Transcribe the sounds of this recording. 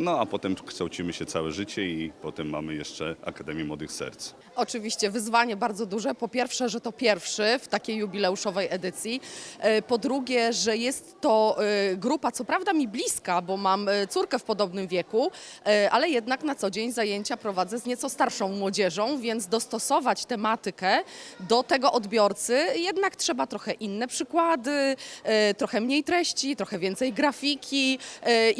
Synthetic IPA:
nɔapɔt̪ɛmkʂt̪awt͡ɕimɘɕɛt̪sawɛʐɘt͡ɕɛipɔt̪ɛmːa̰mɘjɛʂt͡ʂɛa̰kad̪ɛmʲjɛmwɔd̪ɨxsɛ̰ɾt̪s | ɔt͡ʂɘvʲiɕt͡ɕɛvɘzvaɲɛbaɾd̪zɔd̪uʐɛpɔpʲjɛɾfʂɛʐɛt̪ɔpʲjɛɾfʂɛft̪akʲejːubʲilɛuʂɔvɛjɛd̪ɘt̪sʲjipɔd̪ɾuɡʲjɛʐɛjɛst̪ːɔɡɾupat̪sɔpɾavd̪amʲiblʲiskabɔmamt̪suɾkɛfpɔd̪ɔbnɘmvʲjɛkuʔʔalɛjɛd̪naknat̪sɔd͡ʑeɲzajeɲt͡ɕapɾɔvad̪zɛzɲɛt̪sɔst̪aɾʂɔ̃w̃mwɔd͡ʑɛʐɔ̃w̃vʲjɛnd̪zd̪ɔst̪ɔsɔvat͡ɕt̪ɛmat̪ɘkɛd̪ɔt̪ɛɡɔʔɔd̪bʲjɔɾt̪sɘjɛd̪naktʂɛbat̪ɾɔxɛʔinːɛpʂɘkwad̪ɘ | t̪ɾɔxɛmɲejt̪ɾɛɕt͡ɕit̪ɾɔxɛvʲjɛnt̪sɛjɡɾafʲikʲʰi

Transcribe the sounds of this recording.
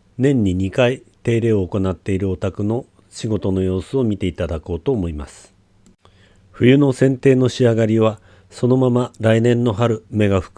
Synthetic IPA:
nẽ̞ɲ̟ːiɲ̟ikait̪e̞ːɾe̞ːoːko̞nat̪ːe̞iɾɯ̟ot̪akɯ̟no̞ | ɕiɡo̞t̪o̞no̞jo̞ːsɨo̞mʲit̪e̞it̪ad̪ako̞ːt̪o̞ːmo̞ima̰sɨ̥ | ɸɯ̟jɯ̟no̞sẽ̞nt̪e̞ːno̞ɕiaɡaɾʲiβa | so̞no̞mamaɾainẽ̞nːo̞ɦaɾɯ̟me̞ɡaɸɯ̥k

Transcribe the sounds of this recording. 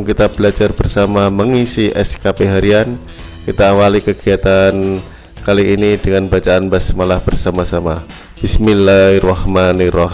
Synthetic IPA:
ŋkit̪abəlad͡ʒarbərsamaməŋisiʔɛskapeɦaɾian | kit̪aːwalikəɡiat̪an | kaliːnidəŋanbat͡ʃaanbasmalahb̥ərsamasama | b̥isminːahrɔhmanirɔ

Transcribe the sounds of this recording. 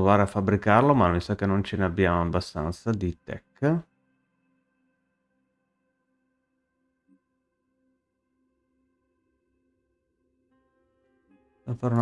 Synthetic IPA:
vaːɾeafːabːɾikarlomamisakːenːont͡ʃeneabːjaːmoabːast̪a̰nt̪sad̪it̪ɛ̰kː | afaɾun

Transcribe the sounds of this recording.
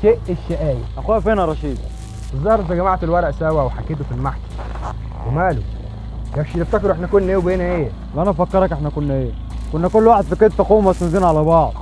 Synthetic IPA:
ʃeːʔeʃːeʔæːjæ̰ʔæxuːæfiːnæɾˤɑʃiːd̪ | ʔɨzˤːɑhɾʔent̪æɡæmaʕt̪elwɑɾˤɑʔsæwæweħakːeːt̪̬ufilmaħkæ̥ | wemæːlṵ | jæfʃilæb̚t̪ɑkɑɾuʔeħnækʊnːæʔeːwbeːnæʔeː | lʔænæfækːɑɾˤɑkeħnækʊnːæʔeː | kʊnːækʊlːwaːħed̪fiked̪fɑquːmæsenziːnʕalæbɑʕd̪ˤ

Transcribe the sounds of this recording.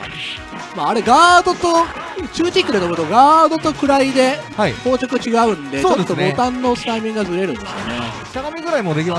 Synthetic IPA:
maːɾe̞ɡaːd̪o̞t̪o̞t͡ɕɨːt͡ɕikːɯɾenobɯ̟t̪oɡaːd̪o̞t̪o̞kɯ̟ɾaid̪e̞ | haiho̞ːt͡ɕokɯ̟t͡ɕiɡaɯ̟̃nd̪e̞oːt͡ɕod̪t̪ːobo̞tt̪ãnːo̞st̪aimʲĩŋɡazɨɾe̞ɾɯ̟̃nd̪esɨjo̰ne̞̰ | t̪aɡamʲiɡɯɾaimod̪e̞kʲima

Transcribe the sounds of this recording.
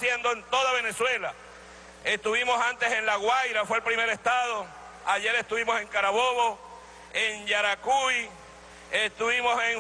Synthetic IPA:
sje̞nd̪o̞ent̪o̞ðaβe̞ne̞swe̞la | e̞st̪uβimo̞sant̪e̞se̞nlaɣwajɾafwelpɾimeɾe̞st̪aðo̞ | aʝe̞ɾe̞st̪uβimo̞se̞ŋkaɾaβoβo̞ | enʝaɾakuj | est̪uβimo̞se̞ŋ

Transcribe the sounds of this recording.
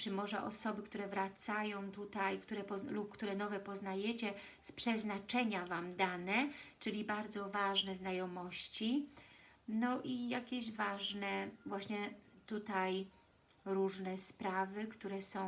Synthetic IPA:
t͡ʂɘmɔʐɛʔɔsɔbɘkt̪uɾɛvɾat̪sajɔ̃w̃t̪ut̪ajkt̪uɾɛpɔlup̚kt̪uɾɛnɔvɛpɔznajɛt͡ɕɛspʂɛznat͡ʂɛɲavamd̪anɛt͡ʂɘlʲibaɾd̪zɔvaʐnɛznajɔmɔɕt͡ɕi | nɔʔijakʲeʑvaʐnɛvwaɕɲɛt̪ut̪aj | ɾuʐnɛspɾavɘkt̪uɾɛsɔ̃w̃

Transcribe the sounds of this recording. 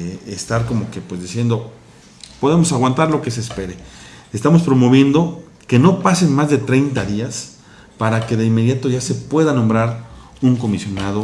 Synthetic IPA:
est̪aɾko̞mo̞ke̞pwe̞zðisje̞nd̪o̞ | po̞ðe̞mo̞saɣwant̪aɾlo̞ke̞seːspe̞ɾe̞est̪amo̞spɾo̞mo̞βje̞nd̪o̞ | ke̞no̞pase̞nmazðe̞t̪ɾe̞jnt̪aðias | paɾake̞ðe̞inme̞ðjat̪o̞ʝase̞pwe̞ðanõ̞mbɾaɾ | uŋko̞misjo̞naðo̞

